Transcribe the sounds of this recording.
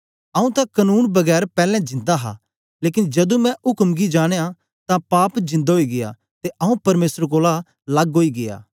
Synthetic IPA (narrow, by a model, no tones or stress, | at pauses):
ɐũt̪ãkɐnuːnbɐɡɛːɾpɛːlɛ̃d͡ʒɪ̃nd̪aɦa̰ | leːk̬ɪnd͡ʒɐd̪ũmɛ̃ʔʊkmɡid͡ʒaːɽ̃eja | t̪ãpaːpd͡ʒɪ̃nd̪aɦoiɡɪja̰ | t̪eʔɐũpɐɾmeːsəɾkoːla | lɐɡɦoːiɡɪja̰ː